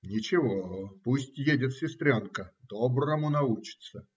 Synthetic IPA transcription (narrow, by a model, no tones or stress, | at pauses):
nʲɪt͡ɕɪvopusʲtʲjedʲɪt̪sʲɪst̪ɾʲonkəd̪obɾəmʊnɐut͡ɕɪ̥t̪sə